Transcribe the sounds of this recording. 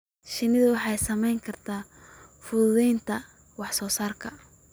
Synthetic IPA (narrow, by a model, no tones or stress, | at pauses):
ʃɪnɪðʊwɑħɑjsɐmɛjŋkʰɐrt̪ʰaː | fʊðʊðɛjnt̪ʰɐ | wɑħsɔːsaːrkʰɐ